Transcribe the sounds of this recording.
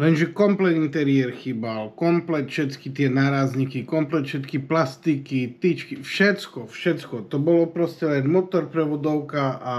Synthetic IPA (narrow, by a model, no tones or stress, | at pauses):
lɛnʒɛkɔmplɛt̪int̪ɛɾiɛɾxiːbalkɔmplɛt̪fʃɛt̪kit̪ɪɛnaːɾazɲikikɔmplɛt̪ʃɛt̪kiplast̪ikit̪it͡ʃkifʃɛt̪t͡skɔfʃɛt̪skɔt̪ɔbɔlɔpɾɔscɛlɛnmɔt̪ɔɾpɾɛʋɔd̪ɔʊkaa